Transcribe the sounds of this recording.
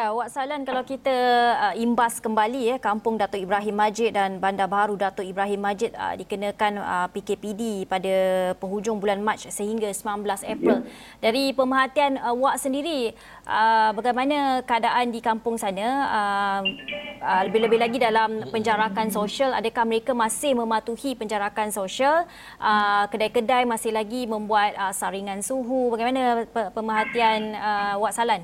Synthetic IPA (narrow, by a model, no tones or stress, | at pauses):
jawaʔsalankalawkit̪aimbaskəmbalijəkampʊŋdat̪ʊʔibɾaɦɪmːad͡ʒɪt̪̚danbandabaɦaɾudat̪ʊʔibɾaɦɪmːad͡ʒɪt̪̚ə̰dikənəkanə̰pikepidipadapəɦud͡ʒʊŋbulanmãt͡ʃsəɦiŋɡasəmnanbəlasɛpɾəl | daɾipəməɦat̪ianəwaʔsəndiɾi | əbaɡajmãnãkəadaʔandikampʊŋsanãə | ələbɪhləbɪhlaɡidalampəɲd͡ʒaɾakansoʃala̰dakahməɾekamãsɪhmə̃mat̪uhipəɲd͡ʒaɾakansoʃal | ʔəkədajkədajmãsɪhlaɡimə̃mbuat̪̚əsaɾiŋãnsuɦubaɡajmanãpəpəməɦat̪ianəwaʔsalan